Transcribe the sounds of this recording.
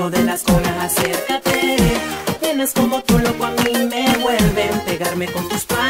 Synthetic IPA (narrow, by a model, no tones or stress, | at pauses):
oðelaskonaaseɾkat̪e | p̪jenesko̞mo̞t̪ulo̞kwoamimeβwe̞lβempe̞ɣaɾme̞ko̞nt̪uspa